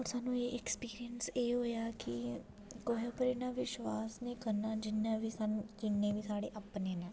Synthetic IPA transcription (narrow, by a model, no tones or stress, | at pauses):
ɔːɾsaːnũːeːʔɛkspiːɾijənseːɦoːjaːkɪ | koːɦepəɾiːnãːʋɪʃʋaːsnĩːkəɾnaːd͡ʒɪnːãːʋiːsand͡ʒɪnːẽːʋiːsaːɽeːʔapneːnãː